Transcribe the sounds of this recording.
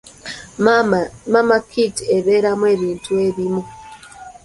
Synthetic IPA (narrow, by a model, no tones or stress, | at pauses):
mamakʰitieβe̞ːɾamwe̞ːβiːntue̞βimu